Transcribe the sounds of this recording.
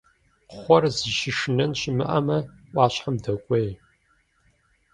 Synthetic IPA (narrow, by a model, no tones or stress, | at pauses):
χʷɔrzɨʃɪʃɨnɐnɕɪmɨʔɐmɐʔʷɑːɕʼħamdɐkʷʼej